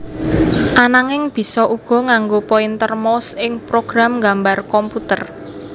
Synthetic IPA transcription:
ʔanaŋɪŋb̥i̤sɔʔuɡ̥ɔ̤ŋaŋɡopoint̪ərmɔsɪŋpɾoɡ̥ɾamɡambarkɔmput̪ər

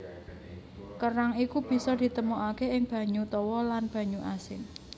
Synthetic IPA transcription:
kəɾaŋikub̥i̤sɔd̪̥i̤t̪əmuʔakeɪŋb̥ä̤ɲut̪ɔwɔlanb̥ä̤ɲuʔasɪn

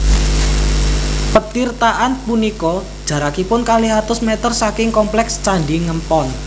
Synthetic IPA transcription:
pət̪irt̪aʔanpunikɔd̥ʒ̥ä̤ɾakipʊnkaliɦat̪ʊsmet̪ərsakɪŋkɔmplɛkst͡ʃaɳɖiŋəmpɔn

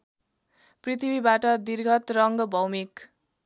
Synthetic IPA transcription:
prit̪ʰibibaʈʌd̪irɡʱʌt̪rʌŋɡʌbʱʌwmik

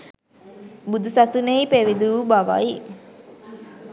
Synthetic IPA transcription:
bud̪usasuneipeʋid̪uːbaʋa̰i

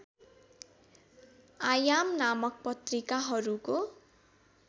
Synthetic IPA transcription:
ajamnamʌk̚pʌt̪rikaɦʌɾuko

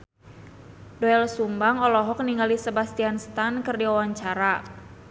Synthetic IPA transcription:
dɔɛlsumbaŋɔlɔɦɔk̚niŋalisebast̪ianst̪ankɨrdiɔwaɲt͡ʃaɾa

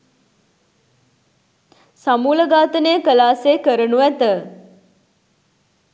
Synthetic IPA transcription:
samuːləɡaːt̪əneəkəlaːseːkəɾənuʋæt̪ə

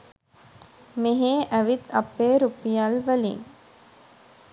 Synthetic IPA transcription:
meɦeːʔæʋit̪ɐpːeːɾupijalʋælḭŋ

